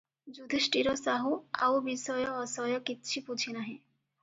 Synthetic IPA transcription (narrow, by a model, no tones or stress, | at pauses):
d͡ʑud̪ʱeʃʈiɾosaɦua̰wbisɔjɔːsɔjɔkitːʃʰipud͡ʑʰinaɦĩ